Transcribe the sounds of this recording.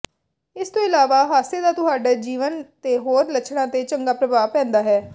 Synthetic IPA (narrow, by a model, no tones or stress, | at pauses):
ɪst̪õːɪlaːʋaːɦaːseːd̪aːt̪ʊɦaːɖaːd͡ʒiːʋənt̪eːɦoːɾlət͡ʃʰɽãːt̪eːt͡ʃəŋɡaːpɾəbaːpɛ̃ːnd̪aːɦɛː